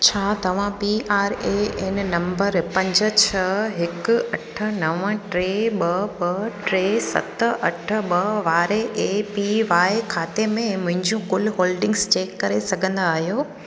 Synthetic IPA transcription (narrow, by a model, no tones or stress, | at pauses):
t͡ɕʰaːt̪ɐʋ̤ãpiʔaːɾeɪnnɐ̃mbəɾpɐ̃ɲd͡ʑə̆t͡ɕʰɐɦɪkʊɐʈʰə̆nɐʋə̃ʈɾeːɓɐbɐʈɾeːsɐ̰t̪̆ʔɐʈʰə̆ɓɐʋaːɾeʔepiʋaːekʰaːt̪emẽmʊ̃ɦɪ̃ɲd͡ʑũkʊlɦoːlɖɪ̃ŋɡst͡ɕeːkːɐɾesɐɡʱə̃nd̪aːɦjoː